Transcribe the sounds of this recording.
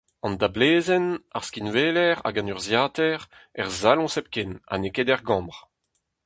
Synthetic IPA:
ɑ̃nd̪ableːzɛnaʁskinveːlɛʁa̰ɡɑ̃nyʁzjaːt̪ɛʁɛʁzalɔ̃sɛp̚kɛna̰neked̪ɛʁɡɑ̃ʁ

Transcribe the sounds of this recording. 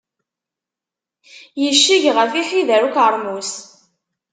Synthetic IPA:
jəʃːiʝʁəfiħiðæɾukaɾˤmus

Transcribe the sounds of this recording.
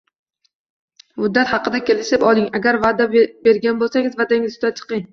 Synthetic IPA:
mʊd̪ːat̪hɑqɨd̪akʲe̞lɪʃɪpɒlˠɪŋaɡʲaɾvad̪abbe̞ɾɡʲanbolˠsaŋʲɪzvad̪aŋɪzʰʊd̪at͡ʃʰɨ̥qɨŋ

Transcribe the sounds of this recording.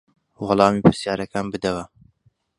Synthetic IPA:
wɑlˠɑːmiːpʰɨɾsjaːɾɐkɑːnbɨd̪ɐwɐ

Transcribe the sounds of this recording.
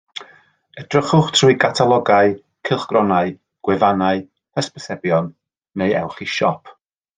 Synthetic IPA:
ədrəχʊχtʰruɨkʰatʰalˠɔɡaɨ | kʰɪlˠχɡ̥rɔnaɨ | ɡ̥wɪvanaɨ | pʰəspəθɛbjɔnː | ejɛ̰wˠχiʃɔpʰ

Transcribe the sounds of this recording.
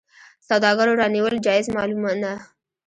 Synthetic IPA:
sawd̪ɑɡaɾoɾɑniwəld͡ʒɑɪzmɑlumɑt̪na

